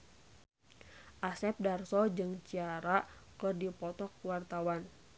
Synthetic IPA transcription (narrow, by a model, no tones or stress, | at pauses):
ʔasɛp̚darsɔd͡ʒɨŋt͡ʃiaɾakɨrdipɔt̪ɔkwart̪awan